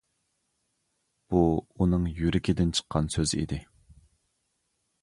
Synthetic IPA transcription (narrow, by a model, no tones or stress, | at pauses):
b̥uunɨŋjyɾɪkʲʰid̪ɪnt͡ʃʰə̥qʰːɑnsøzɪḭd̪ɪ